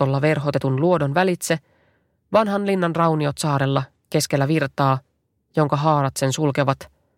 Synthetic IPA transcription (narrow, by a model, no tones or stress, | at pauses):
olːɑʋe̞rɦo̞t̪e̞t̪unluo̞do̞nʋælit̪se | ʋɑnɦɑnlinːɑnrɑwnio̞t̪sɑːɾe̞lːɑ | ke̞sk̟elːæʋirt̪ɑː | jo̞ŋkɑɦɑːɾɑt̪se̞nsulke̞ʋɑt̪